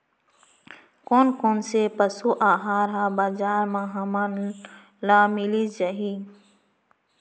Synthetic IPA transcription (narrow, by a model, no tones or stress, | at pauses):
konkoːnsepəsuːʔaːɦaːɾɦãbad͡ʒaːɾmãɦɐman | laːmilid͡ʒɐɦi